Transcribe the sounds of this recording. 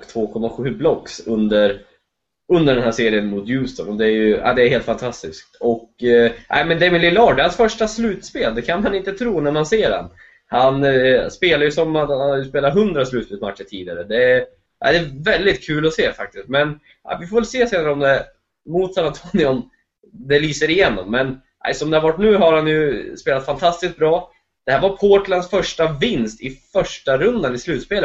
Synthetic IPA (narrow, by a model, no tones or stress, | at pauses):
kt̪ʰv̥oːkʰɔmːaɧʉ̟ːblɔksɵnd̪əɾ | ɵnd̪əɖɛnhæːseːɾɪənmʊt̪jʉːst̪ɔnɔd̪ɛːɾjɵa̰d̪ɛːɾheːlt̪fant̪ʰast̪ɪsk̚t̪ʰɔkʔæ̰ɪmɛnd̪ɛmɪnlɪlɑːɖɛhansfœʂʈaslʉ̟ːt̪speːld̪ɛkʰanmanɪnt̪ət̪ʰɾuːnæmanseːɖɛ̰n | hanspeːlaɾjɵsɔmat̪hanhajɵspeːlaɾɦɵnd̪ɾaslʉ̟ːt̪speːlmat̪ʃəʈʰiːd̪ɪaɾəd̪ɛ | ʔa̰ɪd̪ɛːvɛld̪ɪt̪̚kʰʉ̟ːlɔseːfa̰k̚t̪ɪst̪mɛn | ʔa̰vɪfoːvɛlseːseːnaɾəɔmd̪ɛ | mʊt̪sanant̪ʰoːnɪɔm | d̪ɛlyːsəɾɪjɛnːɔ̰mːɛn | ʔæ̰ɪsɔmd̪ɛhaɾvaʈːnʉ̟ːɦaɾhanjɵspeːlat̪fant̪ʰast̪ɪsk̚bɾɑː | d̪̥ɛhæːɾvaɾpʰoːʈlansfœʂʈavɪnst̪ɪfœʂʈaɾɵnd̪anɪslʉ̟ːt̪speːlə